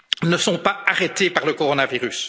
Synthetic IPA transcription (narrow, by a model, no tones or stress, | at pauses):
nəsɔ̃paaʁet̪epaʁləkɔʁɔnaviʁys